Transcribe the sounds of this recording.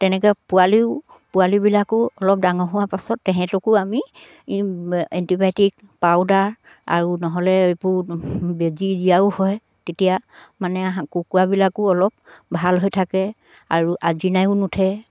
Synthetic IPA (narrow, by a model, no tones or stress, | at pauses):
tɛnɛkɛpʊaliʊ | pualibilakʊɔlɔp̚daŋɔɦʊwapasɔtːɛɦɛ̃tɔkʊami | ɛntibajtik̚ | pawdaɹ | a̰ɹunɔɦɔlɛepʊɹbezizijaʊhɔj | tetijamanɛɦakukuabilakʊɔlɔp̚bʱalɦojtʰakɛ | aɹuʔazinajʊnutʰɛ